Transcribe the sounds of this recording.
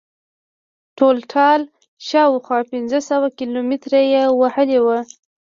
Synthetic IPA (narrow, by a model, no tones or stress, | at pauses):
ʈolʈʰɑl | ʃɑwxwɑpɪnzəsəwakilomɪt̪ɾajewahəlewə